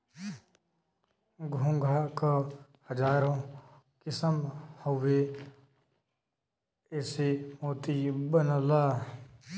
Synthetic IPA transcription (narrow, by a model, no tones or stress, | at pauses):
ɡʱʊ̃ŋɡʱaːkahəd͡ʒaːɾõ | kɪsəmhoʋe | ɪsemoːt̪ibənəlaː